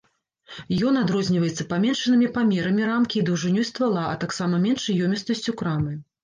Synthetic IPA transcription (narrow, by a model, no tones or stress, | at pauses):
jɔnad̪ɾɔzʲnʲivɐjɛt̪sːɐpamʲɛnʂɐnɨmʲipamʲɛɾɐmʲiɾamkʲiːd̪ɐwʐɨnʲɔjst̪valˠaɐ̰t̪aksamɐmʲɛnʂɨjɔmʲɛst̪ɐsʲt͡sʲukɾamɨ